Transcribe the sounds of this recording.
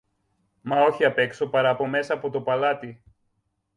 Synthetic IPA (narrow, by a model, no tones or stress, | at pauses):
mɐo̞çiɐpe̞kso̞pɐɾɐːpo̞me̞sɐːpo̞t̪o̞pɐlɐt̪i